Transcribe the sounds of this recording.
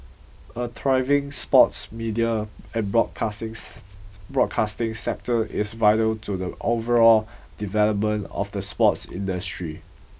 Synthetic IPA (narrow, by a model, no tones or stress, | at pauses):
ədʰɹaɪvɪ̃ŋspɔtsmidiaɛnbɹɔd̚kʰãŋ | bɹɔkʰastɪ̃ŋsɛk̚təɪsvaɪtəltʰudəʔovəɹɔldivɛləp̚mə̃nɔ̰fdəspɔtsḭ̃ndəstɹi